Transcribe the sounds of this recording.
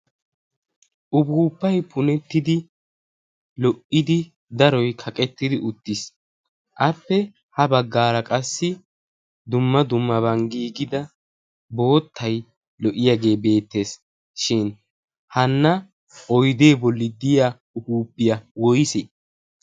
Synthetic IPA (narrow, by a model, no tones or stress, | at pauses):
ʔʊbuːpːɐjpʰʊnɛt̪ːɪd̪ɪ | lɔʔːɪd̪ɪ | d̪ɐɾɔjkʰɐkʼɛt̪ːɪd̪ɪʔʊt̪ːɪs | ʔɐpːɛ | hɐbɐɡːaːɾɐkʼɐsːɪ | d̪ʊmːɐd̪ʊmːɐbɐŋɡiːɡɪd̪ɐ | bo̞ːt̪ʰːɐj | lɔʔɪjaɡe̞ːbe̞ːt̪ːe̞ːs | ʃɪn | hɐnːɐ | ʔɔjd̪e̞ːbɔlːɪd̪ɪja | ʊbuːpːɪjɐwɔjsɛ